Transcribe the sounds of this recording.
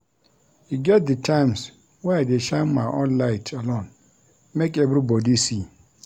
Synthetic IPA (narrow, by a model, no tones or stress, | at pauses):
juɡɛt̚d̪ɨtʰãɪ̃ms | wɛdeʃãnmaʔɔ̃nlaɪtʰalõn | mẽkɛvɾibɔdisi